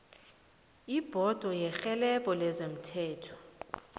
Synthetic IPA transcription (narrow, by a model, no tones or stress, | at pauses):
ib̥ʱɔd̥ʱɔjɛxɛlɛɓɔlɛzem̩tʰɛːtʰɔ̥